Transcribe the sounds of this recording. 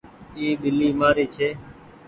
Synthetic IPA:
iːɓɪliːmaːɾiːt͡ʃʰeː

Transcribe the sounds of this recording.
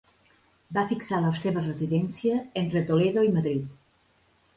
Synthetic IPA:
bafiksaləseβərəziðɛnsiəent̪ɾət̪oleðoiməðɾit̪̚

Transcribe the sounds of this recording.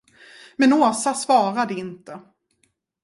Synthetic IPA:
mɛnoːsasvɑːɾad̪əɪnt̪ə

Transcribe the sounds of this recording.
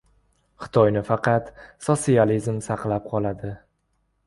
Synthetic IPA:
χɪ̥t̪ʰɒjnɪfɑqʰɑt̪sosializmsɑqlˠap̚qʰɒlˠad̪ɪ

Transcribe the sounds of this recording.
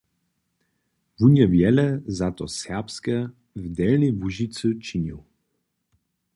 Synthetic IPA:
vunjɛvjɛlɛzat̪ɔsɛʁpskɛ | vd̪ɛlnivuʒit̪sɨt͡ʃiniw

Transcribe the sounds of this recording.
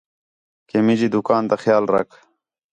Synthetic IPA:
kemid͡ʑid̪ukaːnt̪ɐxjaːlɾɐ̰k

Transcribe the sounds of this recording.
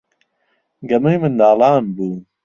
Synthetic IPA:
ɡɐmujmɨnd̪aːlɑːnbuː

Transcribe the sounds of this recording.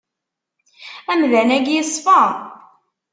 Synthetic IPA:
æmðænæɡjəsˤːfɑ

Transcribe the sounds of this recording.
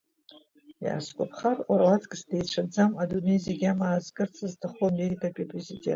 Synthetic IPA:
ja̰skʷʼapʰχararlatʰʼkʼsdejʈ͡ʂʰad͡zamadunejzeɡʲamaːzkʼɨrt͡sʰaztʰaχomeritʰʼapʲʼipʼrezidʲe̞̰ntʼ

